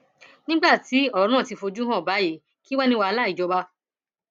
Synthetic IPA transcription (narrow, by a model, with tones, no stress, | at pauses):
nĩ˦ɡ͡ba˦˨ti˨˦ɔ˦˨ɾ̃ã˦˨ti˨˧fo˧d͡ʒu˦ɦã˦˨ba˨˦je˨˦ | ki˦wa˦nĩ˦wa˧a˧la˦i˨d͡ʒɔ˧ba˧